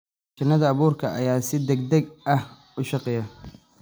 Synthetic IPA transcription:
t͡ʃɐnːɐðɐːβuːrkʰɐʔɐ̰jaːsɪd̪ɛɡd̪ɐɡɐh | ʊʃɑqɛjɐ

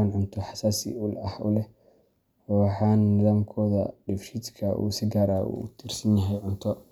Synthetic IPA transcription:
anʕʊnt̪ʰɔħɑ̥saːsḭʊlɐhʊlɛ | ɔwɑħɑːnːɪðaːmkʰɔːðɐ̰ɖɪfʃit̪kʰɐʔṵːsɪɡaːɾaːṵt̪ʰiːrsɐnjɐɦɛjʕʊnt̪ʰɔ

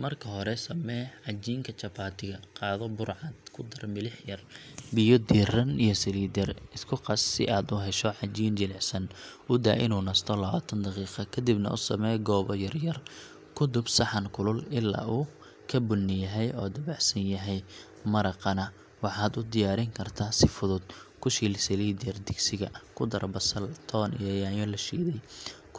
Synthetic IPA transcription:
mɐrkʰɐɦɔɾɛsɐmɛːʕɑd͡ʒiːŋkʰɐt͡ʃɐpʰaːt̪ʰɪɣɐqɑːðɔbʊɾʕɑd̪kʰʊd̪ɐrmɪlɪħjɐrbɪjɔd̪iːrɐnijɞsɪliːd̪ɛrɪskʰʊqɑsːɪ̰ʔaːd̪uɦɛʃɔʕɑd͡ʒiːnd͡ʒɪlɪʕsɐn | ʊd̪a̰ːʔɪ̰nuːnɐst̪ʰɔlɐβaːt̪ʰɐnd̪ɑqiːqɑkʰɐd̪ɪbnɐ̰ʔʊsɐmɛːɡɔːβɔjɐrjɐr | kʰʊd̪ʊbsɑħɑnkʰʊlʊlɪlːa̰ːuː | kʰɐbʊnːɪjɐɦɛjɔːd̪ɐbɑħsɐnjɐɦɛj | mɐɾɐqɑnɐ | wɑħɑːd̪ʊd̪ɪjaːɾɪŋkʰɐrt̪ʰaːsɪfʊðʊd̪̚kʰʊʃiːlsɛliːd̪ɛrd̪ɪɡsɪɣɐkʰʊd̪ɐɾbɐsɐlt̪ʰɔːnḭjjaːjɔlɐʃḭːðɛjk

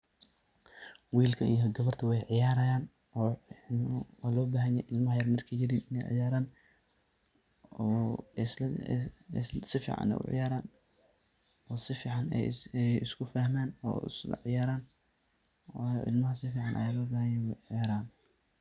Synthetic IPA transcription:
wiːlkʰɐijɔɡɐβɐrt̪ʰɐwɑjʕɪjaːɾɐjaːn | ɔː | wɑːlɔːbaːɦɐnjɛjʔɪlmɐhɐjɐrmɐrkʰɐjɪɾiːnɪnɛjʕɪ̰jaːɾaːn | ɔːs | sɪfḭːʕɑ̰nɛ̰ʔʊ̰ʕɪ̰jaːɾaːn | ɔːsɪfiːʕɑnɛ̰jɛɪ̰skʰʊfɐhmaːnɔ̰ːɪ̰sʕɪjaːɾaːn | wːjɔ̰ʔɪ̰lmɐɦɐsɪfiːʕɑnʔɐ̰jaːlɔːbaːhɐnjɛjwɛjʕɪjaːɾaːn

